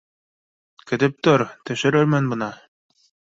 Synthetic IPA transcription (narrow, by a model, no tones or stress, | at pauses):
kɘ̆t̪ɘp̚t̪oɾt̪ɵ̆ʃɘ̆ɾɘɾmænbɤ̆nɑ